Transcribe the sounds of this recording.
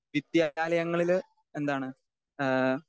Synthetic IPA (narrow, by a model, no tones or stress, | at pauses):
ʋid̪jaaːlɐjɐŋːɐɭil | end̪aːɳɨ